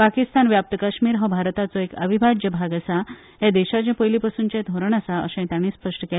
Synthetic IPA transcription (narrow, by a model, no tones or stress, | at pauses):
pakist̪anʋjap̚t̪əkaɕmiːɾɦɔbʱaɾt̪at͡sɔekəʋibʱad͡ʑjəbʱaɡəsa | jed̪eɕat͡ɕɛ̃pəjlipasuːnt͡ɕẽd̪ʱoɾəɳ̃asaə̰sɛ̃t̪jaɽ̃iːspəʂʈəke